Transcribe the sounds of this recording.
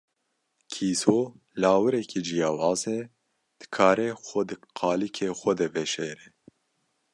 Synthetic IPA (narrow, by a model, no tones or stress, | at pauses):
kʰiːsoː | laːwɨɾɛkʰid͡ʒijɑːwɑːze | d̪̥ɨ̥kʰaːɾɛxɔd̪ɨqʰɑːlikʰeːxʷɐd̪ɛvɛʃeːɾɛ